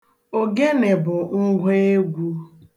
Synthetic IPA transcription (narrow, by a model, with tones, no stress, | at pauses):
o˨ɡe˦ne˨bʊ˨ŋ̩˦ɡʷe˦e˦ɡʷu˦